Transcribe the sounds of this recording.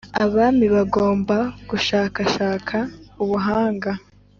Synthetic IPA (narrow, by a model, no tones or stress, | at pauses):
aβamiβaɡo̞ːmbaɡ̥uʃaːkaʃaːkʰauβuɦaːŋɡa